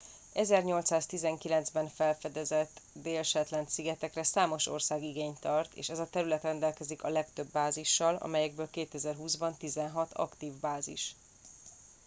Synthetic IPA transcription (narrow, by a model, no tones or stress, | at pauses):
ɛzɛrɲo̞lt̪saːst̪izɛŋkilɛnzbɛnfɛlfɛd̪ɛzɛt̪ːd̪eːlʃɛt̪lɛnsiɡɛt̪ɛkrɛsaːmo̞ʃo̞̰rsaːɡiɡeːɲt̪ɒrt̪ḛːʃɛzɒt̪ɛɾylɛt̪rɛnd̪ɛlkɛzikɒlɛkt̪ø̞bːaːziʃːɒlɒ̰mɛjɛɡ̚bøːlkeːt̪ɛzɛrɦuːzbɒnt̪izɛnɦɒt̪ʰɒ̰kt̪iːvbaːzḭʃ